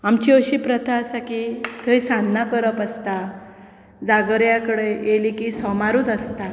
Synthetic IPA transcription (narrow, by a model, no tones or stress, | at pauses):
amt͡ɕiəɕiːpɾət̪ʰasakit̪ʰəjsanːakəɾəpəst̪a | d͡zaɡəɾjakəɽejelikisɔmaɾuːt͡səst̪a